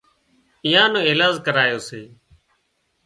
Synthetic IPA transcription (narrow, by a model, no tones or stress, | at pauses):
iːjãːnõːɪːlaːzkəɾaːjoːseː